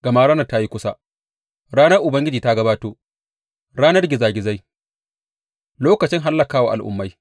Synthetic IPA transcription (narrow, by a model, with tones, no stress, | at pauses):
ɡ̥ɐ˨ma˦ɽaː˦nɐ˨ta˦ji˦kʷʊ˦sa˦ | ɾaː˦nɐ˦rʔʊ˨bɐ˦ŋɡʲɪ˦d͡ʒiː˨ta˦ɡɐ˦baː˦toː˦ | ɽaː˦nɐ˦rɡʲɪ˨zaː˨ɡʲɪ˨za˦j | loː˦kɐ˨t͡ʃɪ˦ŋɦa˦lːɐ˨kaː˦wa̰ː˨ʔa˨lʔʊ̰˦mːa˦j